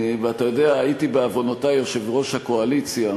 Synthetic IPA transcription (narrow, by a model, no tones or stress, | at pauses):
veatajo̞deaaitibeavo̞notajo̞ʃe̞vʁo̞ʃhako̞alit͡sja